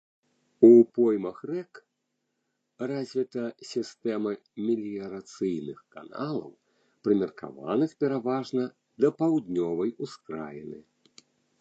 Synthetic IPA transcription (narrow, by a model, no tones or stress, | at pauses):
upɔjmɐxrɛk | razʲvʲit̪ɐsʲist̪ɛmɐ | mʲilʲijɐɾat̪sɨjnɨxka̰nalˠɐ̰w | pɾɨmʲɛrka̰va̰nɨxpʲɛɾavaʐnɐ | d̪ɐpawd̪ʲnʲɔvɐjuskɾa̰lʲḭnɨ̰